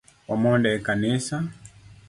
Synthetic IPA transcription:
wamɔndɛkanisa

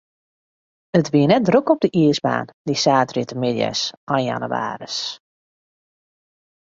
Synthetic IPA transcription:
ətʋiənɛt̚drøkɔb̚dəʔiəsba̰ːndisaːtritəmɪdja̰sʔɔjnja̰nuʋa̰ːrəs

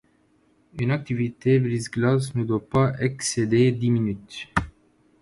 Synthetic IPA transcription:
ynak̚t̪ivit̪ebɾizɡlasnud̪wapaʔɛksed̪ed̪iminyt̪

